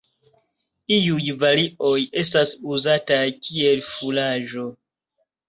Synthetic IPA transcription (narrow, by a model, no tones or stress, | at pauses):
iujvaliʔo̞je̞stasuzatakʰie̞lfulaʒo̞